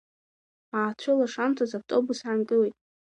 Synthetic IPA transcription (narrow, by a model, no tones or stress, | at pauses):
aːt͡ʃʷʰʊlaʂamtʰazab̚tʼo̞busʕankʼɨlejtʼ